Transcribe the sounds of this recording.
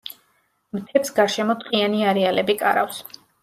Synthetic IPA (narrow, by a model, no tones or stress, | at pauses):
mt̪ʰɛpsɡaɾʃɛmɔt̪ʼqʼianiaɾɛalɛbikʼa̰ɾa̰fs